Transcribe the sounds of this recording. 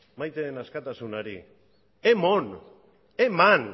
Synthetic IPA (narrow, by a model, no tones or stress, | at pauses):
majt̪eenaskat̪asunaɾḭ | emon | eman